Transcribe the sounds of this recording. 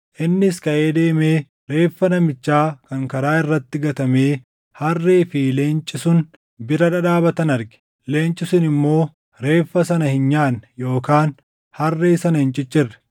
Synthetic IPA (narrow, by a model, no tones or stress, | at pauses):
ʔɪnːɪskɐʔeːd̪e̞ːme̞ː | ɾe̞ːfːɐnɐmɪt͡ʃːaːkɐŋkɐɾaːɪrːɐt̪ːɪɡɐt̪ɐmeː | hɐrːeːfɪle̞ːnt͡ʃʼːɪsʊn | bɪɾɐᶑɐᶑaːbɐt̪ɐnɐɾɡɛ̥ | le̞ːnt͡ʃʼɪsʊnɪmːo̞ː | ɾe̞ːfːɐsɐnɐhɪnɲaːnjo̞ːkaːn | hɐrːeːsɐnɐhɪnt͡ʃʼɪt͡ʃːɪrːɛ̥